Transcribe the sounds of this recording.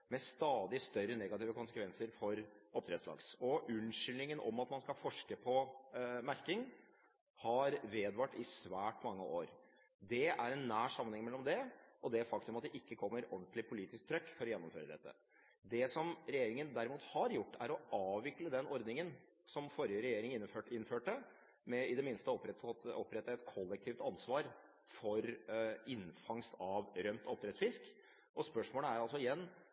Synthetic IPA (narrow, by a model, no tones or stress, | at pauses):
mɛst̪ɑːd̪ɪst̪œɾːənɛɡɑt̪iːʋəkʊnsə̥kʋɛnsəɾfɔɾɔp̚t̪ɾɛːd̪slɑ̰ːɡsɔʔʉnʂʏlnɪŋənɔ̰mːɑt̪mɑnskɑlfɔʂkəpʰɔmæɾkɪŋ | hɑɾʋeːd̪ʋɑʈːɪsʋæːʈmɑŋːə̰ʔoːɾ | d̪ɛæɾɛnːæːʂɑmːənɛŋmɛlːɔmd̪ɛʔɔd̪ɛæɾfɑk̚t̪ʉmɑt̪̚d̪ɛʔɪkːəkʰɔmːəɾɔnt̪lɪpʰʊliːt̪ɪsk̚t̪ʰɾœkːfɔɾɔjɛnːɔmfø̰ːɾəd̪ɛ̰t̪ːə̰ | d̪ɛsɔmɾɛjeːɾɪŋənd̪æɾɪmuːt̪hɑɾjʊʈːæ̰ɾɔʔɑːʋʋɪkləd̪ɛnɔɾd̪nɪŋən | sɔmfɔɾjəɾɛjeːɾɪŋɪnːøːɪnːføːʈə | mɛɪd̪ɛmɪnst̪əɔpɾɔpːɾɛt̪ːəɛt̪kʰɔlːɛk̚t̪ʰiːft̪ɑnsʋɑːɾ | fɔɾɪnfɑŋst̪ɑʋɾœmt̪ɔp̚d̪ɾɛt̪sfɪsk | ʔɔspœʂmoːləæɾɑlsɔɪjɛnː